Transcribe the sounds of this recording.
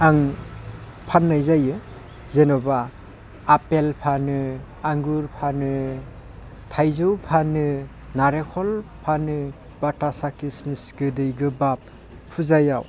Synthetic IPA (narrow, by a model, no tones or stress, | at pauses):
aŋ | pʰanːajzajɯ | zenɔbaː | pelpʰanɯ | aŋɡuɾpʰanɯ | tʰajzɯwpʰanɯ | naɾekʰɔlpʰanɯ | batasakismisɡɯdɯjɡɯbap̚ | pʰːuzaja̰w